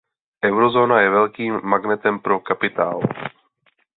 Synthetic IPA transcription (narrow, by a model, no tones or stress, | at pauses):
ʔɛwɾo̞zo̞ːnajɛvɛlkiːmːaɡnɛt̪ɛmpɾo̞kapɪt̪a̰ːl